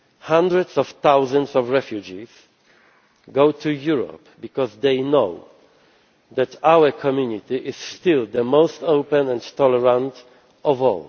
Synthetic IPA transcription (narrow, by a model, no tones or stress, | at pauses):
hãndɹɛdsɔft̪awzãnsɔvɹɛfjud͡ʒiz̥ | ɡoʊtʰujuɹɔ̰pbikɔzd̪ejnoʊ | ðæt̪ʰawəkʰɔmjunit̪iʔɪsst̪ɪld̪əmoʊst̪oʊpɛ̃nɛ̃nt̪ɔlɛɹãnt | ɔvɔ̰l